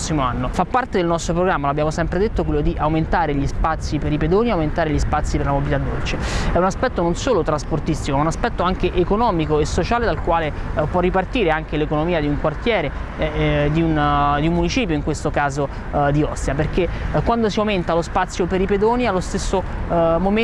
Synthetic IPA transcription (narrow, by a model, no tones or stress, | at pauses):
sːimoanːofapːart̪ed̪elnɔst̪ɾopɾoɡɾamːaloabːjaːmosɛmpɾed̪et̪ːokwelːod̪iʔawment̪aːɾeʎispat̪sːipeɾiped̪oːniawment̪aːɾeʎispat̪sːipeɾlamobilit̪ad̪ːolt͡ʃeɛunaspɛt̪ːononsoːlot̪ɾasport̪ist̪ikomaunaspɛt̪ːoaŋk̟eʔekonɔːmikoesːot͡ʃaːled̪alkwaːle | pwɔrːipart̪iːɾeaŋkelekonomiːad̪iuŋkwart̪jɛːɾe | d̪iund̪iumːunit͡ʃiːpjoiŋkwest̪okaːzo | d̪iɔ̰sːeaperkekwand̪osiawment̪alospat̪sːjopeɾiped̪oːnialːost̪esːomom